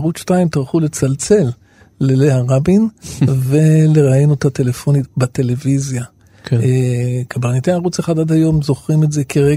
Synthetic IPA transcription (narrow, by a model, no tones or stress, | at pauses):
aʁut͡sʃtaimt̪aʁχule̞t͡salt͡se̞lː | eleaʁabinveleʁainot̪at̪e̞lefo̞nitbat̪e̞le̞vizja | k | kabaʁnit̪eaʁut͡seχad̪ad̪hajo̞mzo̞χʁimeze̞kʰeʁe